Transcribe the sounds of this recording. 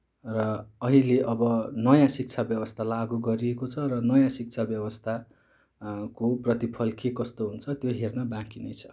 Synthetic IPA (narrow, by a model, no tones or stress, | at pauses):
rʌːɦileʔʌbʌnʌjãsik̚t͡sʰabjʌbʌst̪ʰalaɡuɡʌɾiekot͡sʰʌrʌnʌjãsik̚t͡sʰabjʌbʌst̪ʰa | koprʌt̪ipʰʌlkekʌst̪oɦunt͡sʰʌt̪joɦernʌbãkinʌjt͡sʰʌ̥